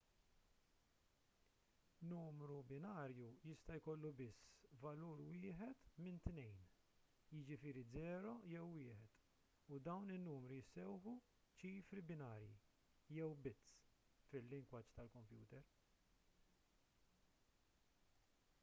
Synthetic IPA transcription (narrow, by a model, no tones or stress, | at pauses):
nuːmɾubɪnɐːɾjujɪst̪ɐjkɔlːubɪsːvɐluːɾwɪːħɛt̪mɪnt̪nɛjn | jɪd͡ʒɪfɪːɾid͡zɛːɾɔjɛwːɪːħɛt̪ | ʊd̪ɐwnɪnːuːmɾijɪsːɛwħu | t͡ʃiːfɾibɪnɐːɾjḭ | jɛwbɪt͡sː | fɪlːɪŋɡwɐt͡ʃt̪ɐlkɔmpjṵːt̪ɛɾ